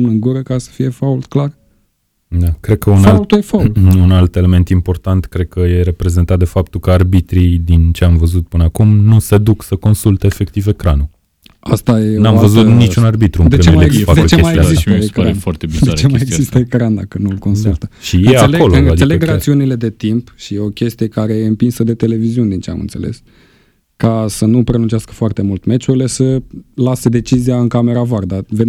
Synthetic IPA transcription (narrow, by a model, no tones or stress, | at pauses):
mnəɨŋɡuɾəkaɾesə̥fije̞fault̪klar | d̪akɾe̞d̪̚kəunalult̪ujefalunalt̪e̞le̞me̞nt̪impo̞rt̪ant̪kɾe̞d̪̚kʰəje̞ɾe̞pɾe̞ze̞nt̪at̪̚d̪e̞fap̚t̪ulkəarbit̪ɾid̪int͡ʃe̞amvəzut̪̚pɨnəakumnuse̞d̪uksəko̞nsult̪eːfe̞kt̪ive̞kɾanu | ast̪ajeonamvəzut̪nit͡ʃunarbit̪ɾud̪eet͡ʃmeemajefad̪et͡ʃeemajeijaziəekɾafart̪ebid̪et͡ʃemajjeɡzistt̪əekɾand̪a̰kənulko̞nsult̪əʃijnesaselo̞loɨad̪eleɡɾat̪siunile̞d̪e̞t̪impʃijeo̞kʲe̞st̪ije̞kaɾe̞jeɨmpinsəd̪e̞t̪e̞le̞viziunʲd̪int͡ʃea̰mɨ̰nt̪se̞̰le̞̰s | kasənupɾenunt͡ʃiaskə̥foart̪e̞mult̪me̞t͡ʃuɾile̞səlase̞d̪e̞t͡ʃiziaɨŋkame̞ɾavaɾd̪ave